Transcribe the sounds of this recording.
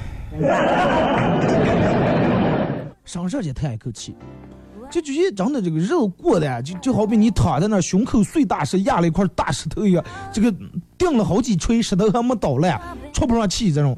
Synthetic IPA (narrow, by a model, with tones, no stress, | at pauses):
ʂɑ˨˩ŋʂ̬a˥˩t͡ɕjɛ˨˩t̪ʰa˥˩a˧˩ɪkʰɤ˥˩t͡ɕʰi˥˩ | t͡ɕo˥˩ʊt͡ɕo˥˩ɕɛ˥˩ʈ͡ʂɑ˧˥ŋd̪ə˨˩ʈ͡ʂɤ˥˩ɡə˩ɻɤ˥˧kwɔ˥˩d̪ə˨ja˨˩t͡ɕo˥˧ʊt͡ɕjxɑ˧˥ʊp̬i˧˩ŋni˧˥t̪ʰa˨˩t͡sna˥˩ɕjʊ˧˥ŋkʰɤ˥˧swe˥˧ɪt̪̬a̰˥˩ʂɻ̩˥˧ja˥˩lə˨i˧˥kʰwɔ˥˩˧t̪a̰˥˩ʂɻ̩˥t̪ʰɤ˧˥i˧˩a˧˩ʈ͡ʂɤ˥˩ɡə˩t̪jɛ˥˩ŋlə˩xɑ˧˥ʊt͡ɕi˨˩ʈ͡ʂʰwe˥ɪʂ̩˨˧˩t̪ʰa˥a˥mə˥t̪ɑ˨˩ʊlə˦ja̰˧˩ʈ͡ʂʰwɔ˥pu˧˥na˥˧t͡ɕʰi˥˩˧ʈ͡ʂʊ˨˩˦